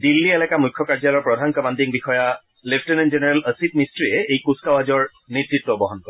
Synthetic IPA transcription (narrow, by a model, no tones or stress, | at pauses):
dilːiɛlɛkamujkʰːɔkaɹd͡ʒalɔɹpɹɔdʱankabandiŋbixɔja | lepʰtenenzenɛɹeləsitmistɹiɛejkuskawazɔɹ | netɹit̪ːɔbɔɦɔnkɔɹ